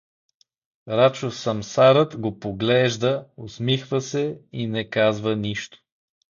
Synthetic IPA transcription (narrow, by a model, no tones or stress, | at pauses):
ɾat͡ʃosɐmsaɾət̪ɡopoɡlɛʒd̪əosmixvəsɛinɛkazvəniʃt̪o̥